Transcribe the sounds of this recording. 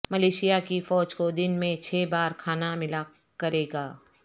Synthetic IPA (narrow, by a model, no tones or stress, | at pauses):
mɐleːʃijakifɔːd͡ʒkod̪ɪnmẽt͡ʃʰeːbaːɾkʰaːnamɪla | kɐɾeːɡaː